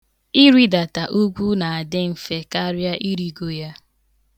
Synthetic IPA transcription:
i˦ɾi˦da˨ta˨ʔu˦ɡʷu˦na˨a˨dɪ˦m̩˨fe˦ka˦ɾja˦ʔi˦ɾi˦ɡo˦ja˦

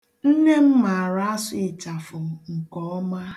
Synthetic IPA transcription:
n̩˦ne˦m̩˦ma˨ɾa˦a˦sʊ˦ɪ˨t͡ʃa˨fʊ˨m̩˨ŋ̩˨kɔ˦ɔ˦ma˦

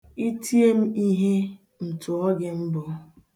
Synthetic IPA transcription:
i˦tʰi˦e˦m̩˦i˦ɦe˦ | m̩˨tʊ˨ɔ˦ɡɪ˦m̩˦bɔ˨˦

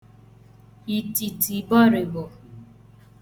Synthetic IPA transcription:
i˨ti˨ti˨bɔ˦ɾe˨bo˨

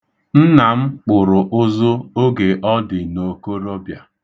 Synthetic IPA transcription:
n̩˦na˨m̩˦k͡pʊ˨ɾʊ˨ʔʊ˦zʊ˦o˦ɡe˨ʔɔ˦dɪ˨no˨ko˦ɾo˦bja˨

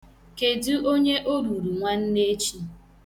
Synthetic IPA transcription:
ke˨du˦ʔo˦ɲe˦ʔo˦ɾu˨ɾu˨ŋʷa˦n̩˦ne˦t͡ʃi˦

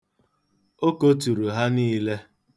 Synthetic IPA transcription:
o˦ko˦tu˨ɾu˨ɦa˦niː˦le˦

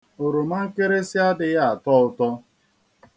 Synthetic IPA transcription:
o˨ɾo˨ma˦ŋ̩˦ke˦ɾe˦si˦a˦dɪ˨ja˦a˨tɔ˦ʊ˦tɔ˦

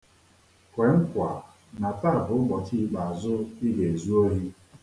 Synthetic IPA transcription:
kʷe˨ŋ̩˦kʷa˨ | na˨ta˦˨bʊ˨˦ɡ͡bɔ˨t͡ʃi˦˨k͡pa˨a˨zʊ˦i˦ɡe˨e˨zu˦o˦ɾi˦

